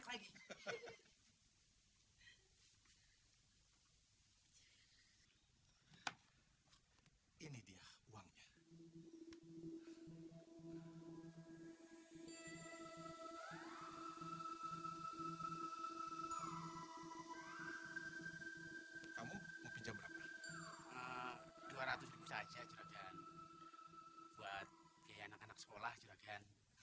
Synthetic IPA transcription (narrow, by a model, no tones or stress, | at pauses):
klaɡi | inidiauaŋɲa | kamuməpiɲd͡ʒaŋbəɾapa | əd̥uaɾat̪ʊsribusad͡ʒat͡ʃuɾaɡan | b̥uat̪̚ | kajaːnakanaksə̥kolaht͡ʃuɾaɡan